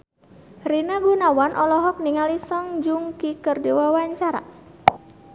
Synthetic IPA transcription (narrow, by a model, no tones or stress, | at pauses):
rinaɡunawanʔɔlɔɦɔk̚niŋalisɔŋd͡ʒuŋkikərdewawaɲt͡ʃaɾa̰